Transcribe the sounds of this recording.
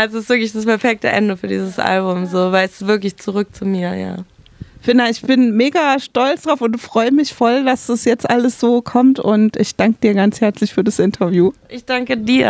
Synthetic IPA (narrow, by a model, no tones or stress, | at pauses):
ʔɛsɪstv̥ɪɐklɪçd̥aspɛɐfɛk̚tə̰ʔɛ̰ndəfyːɐdḭːzəsʔa̰lbʊmzoːvaɪlɛsɪ̥stv̥ɪɐklɪçt͡suʁʏk̚t͡sumiːɐja̰ː | fɪnaɪçb̥ɪnmeːɡaʃtɔlt͡sd̥ʁaʊfʊntfʁ̥ɔʏəmɪçfɔldasd̥asjɛt͡stʔaləsz̥oːkʰɔmtʊ̰ntʔɪçd̥aŋkəd̥iːɐɡant͡shɛɐt͡slɪçfyːɐdasʔɪntʰɐvjuːʔɪçd̥aŋkədiːɐ